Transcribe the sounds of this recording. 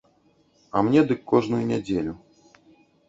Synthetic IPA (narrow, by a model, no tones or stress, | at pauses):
ɐ̰mnʲɛd̪ɨkːɔʐnujunʲad͡zʲelʲu